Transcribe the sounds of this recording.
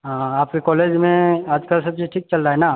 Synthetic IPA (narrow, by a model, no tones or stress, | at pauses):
ɦãːaːpkekɔːleːd͡ʒmẽaːd͡ʒkəlsɐb̚d͡ʒiʈʰiːk̚t͡ʃɐlːaɦɛnaː